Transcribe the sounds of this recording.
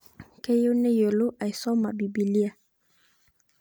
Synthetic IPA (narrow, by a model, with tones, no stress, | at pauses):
ke˦jo˦nɛ˦jo˨lo˦ʔa˨i˨sɔ˦ma˨bi˨bi˨li˦a˨